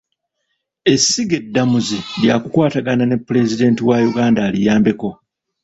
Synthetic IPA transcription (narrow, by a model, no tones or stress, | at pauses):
e̞sːiɡe̞dːamuziljakukwaːtaɡanane̞pːule̞zide̞ːntiwajuɡaːndaːlijaːmbe̞ko̞